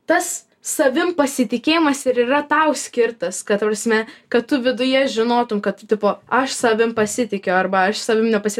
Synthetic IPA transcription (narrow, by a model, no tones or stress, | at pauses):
t̪ɐs | sɐʋʲɪmpɐsʲɪt̪ʲɪkʲeːjɪmɐsɪɾirɐt̪ɐʊsʲkʲɪrt̪ɐskɐtt̪ɐprɐsʲmʲɛkɐttʊʋʲɪd̪ʊjɛʒʲɪnoːt̪ʊmkɐt̪̚tʊtʲɪpoːɐʃsɐʋʲɪmpɐsʲɪt̪ʲɪkʲɛʊɐrbɐɐʃsɐʋʲɪmnʲɛpɐsʲɪ